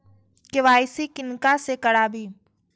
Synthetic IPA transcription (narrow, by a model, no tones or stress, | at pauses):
kɪʋaːɪsikɪnkasekɐɽaːbʱiː